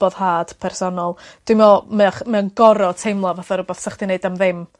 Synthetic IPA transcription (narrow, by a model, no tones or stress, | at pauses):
b̥ɔðhaːd̥pʰɛrsɔnɔlˠd̥wɪmɔmɛχmɛnɡɔɾɔtʰejmlˠavaθaɾʊbaθsəχd̥ineɨdamðɪm